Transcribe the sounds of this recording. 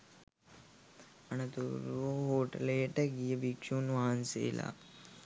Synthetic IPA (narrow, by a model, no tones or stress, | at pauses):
ɐnɐt̪uɾoɦoːʈɐleːʈɐɡijɐbikʂuːnʋaːnsḛːla̰ː